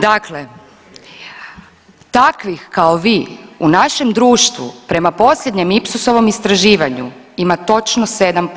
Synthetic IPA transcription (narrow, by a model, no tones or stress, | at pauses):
d̪akle | t̪akʋixkaoʋiːunaʃemd̪ɾuːʃt̪ʋṵpɾe̞mapo̞sʎʲed̪ɲe̞mipsuso̞ʋo̞mist̪ɾaʒiːʋaɲṵ | imat̪o̞t͡ʃnose̞d̪amp